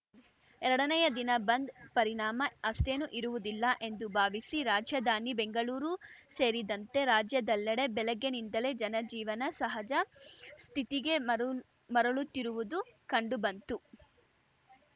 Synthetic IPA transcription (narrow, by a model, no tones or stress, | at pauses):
ɛɾɐɽɐnɐjɐd̪inɐbɐnd̪pɐɾiɳaːmɐɐsʈ̪e̞nuʔiɾuʋud̪ilːɐʔe̞nd̪ubʱaːʋisiɾaːd͡ʒjɐd̪ʱaːnibeŋɡɐɭuːɾuse̞ːɾid̪ɐnt̪e̞ɾaːd͡ʒjɐd̪ɐlːɛɽe̞bɛlɛɡːe̞nind̪ɐle̞d͡ʒɐnɐd͡ʒiːʋɐnɐsɐɦɐd͡ʒɐst̪ʰit̪iɡe̞ | mɐɾɐɭut̪ːiɾuʋud̪ukɐɳɖubɐnt̪u